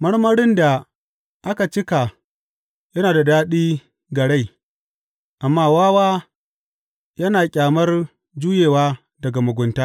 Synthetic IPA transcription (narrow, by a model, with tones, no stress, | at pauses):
mɐ˦ɽmɐ˦ɽɪ˦nda˨ | ʔa˦ka˨t͡ʃɪ˦ka˨ | jɐ˦naː˨da˨daː˦ɗiː˦ | ɡɐ˨ɽe˦j | ʔa˨mːaː˦˨waː˦waː˦ | jɐ˦naː˨kʲʼaː˨mɐ˦r | d͡ʒuː˦jeː˨waː˦ | dɐ˨ɡa˨mʊ˨ɡʷʊ˨ntaː˦